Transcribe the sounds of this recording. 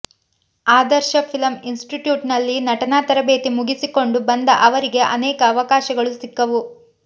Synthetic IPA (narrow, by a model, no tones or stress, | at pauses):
aːd̪ɐɾʃɐpʰilɐminsʈiʈjuːʈnɐlːinɐʈɐnaːt̪ɐɾɐbe̞ːt̪imuɡisiko̞ɳɖubɐnd̪ɐʔɐʋɐɾiɡe̞ʔɐnɛːkɐːʋɐkaːʃɐɡɐɭusikːɐʋu